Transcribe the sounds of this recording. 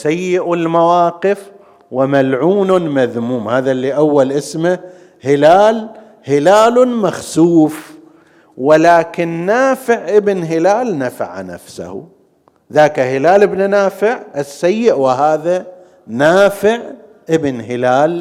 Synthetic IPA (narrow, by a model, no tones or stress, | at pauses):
sajːɪʔɪlmawaːqɪf | wɪmalʕuːnmaðmuːmhaːðalːiːʔawːalʔɪsma | hɪlaːl | hɪlaːlmaxsuːf | wɪlaːkɪnːaːfɪʕʔɪbɪnɦɪlaːlnafa̰ʕa̰na̰fsa̰hṵ | ðaːkahɪlaːlɪbnanaːfɪʕʔɪsːajːɪʔwɪɦaːða | naːfɪʕ | ʔɪbnɦɪlaːl